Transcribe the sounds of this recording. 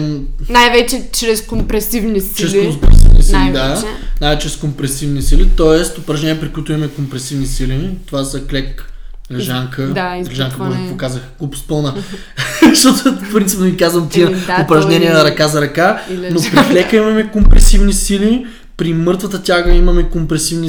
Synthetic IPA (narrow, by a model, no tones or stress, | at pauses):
najvɛt͡ʃɛt͡ʃɾɛskompɾɛsivnist͡ʃɾɛsokosivnisilid̪anajvɛt͡ʃɛɾɛskompɾɛsivnisilit̪ɔɛst̪opɾɐʒnɛnʲijəpɾikoit̪ʊimɐmɛkompɾɛsivnisilit̪ovazɐklɛk | lɛʒaŋkəlɛʒaŋkəmmɔʒɛitvokazəxɡ̥opspɤlˠnə | ʃt̪ɔt̪ofpɾint̪ipnʊikazvɐmt̪iopɾɐʒnɛniɛɐɾɐkazɐɾɐkanopɾiklɛkəimɐmɛkompɾɛsivnisili | pɾimɤɾt̪vɐt̪ət̪ʲaɡəimɐmɛkompɾɛsivni